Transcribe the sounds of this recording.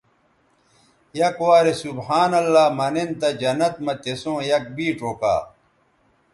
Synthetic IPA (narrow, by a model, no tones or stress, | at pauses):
jɐkwaːɾesubhaːnɐlːaːmɐnent̪ɐd͡ʑɐnɐt̪̚mɐt̪esõːjɐk̚biːʈoːka̰ː